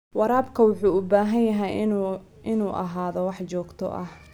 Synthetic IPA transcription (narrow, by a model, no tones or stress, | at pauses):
wɑɾaːbkʰɐwʊħuːʊbaːɦɐnjɐɦɛj | ɪnuːʔɐ̰ɦaːðɔwɑħt͡ʃɔːɡt̪ʰɔ̰ʔɐ̰h